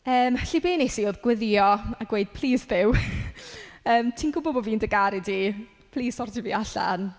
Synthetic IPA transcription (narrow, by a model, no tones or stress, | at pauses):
əːmɬibeːnejsioːðɡ̥wɪðjɔaɡ̥weɨd̥̚pʰl̥ˠiːsðɪw | əːmtʰinɡʊbɔbɔviːndəɡaɾidiː | pʰlˠiːsɔrdiviːaɬa̰n